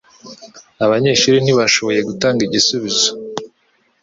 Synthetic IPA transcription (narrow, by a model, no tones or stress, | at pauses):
aβaɲe̞ːʃuɾin̥iβaʃo̞βo̞je̞ɡutaːŋɡiɟisuβizo̥